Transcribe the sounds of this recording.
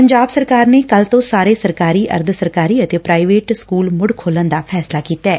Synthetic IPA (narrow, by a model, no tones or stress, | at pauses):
pəɲd͡ʒaːbsəɾkaːɾneːkəlt̪õːsaːɾeːsəɾkaːɾiːʔə̰ɾd̪səɾkaːɾiːət̪eːpɾaːɪʋeːʈskuːlmʊɽkʰoːlənd̪aːpʰɛːslaːkiːt̪aɛː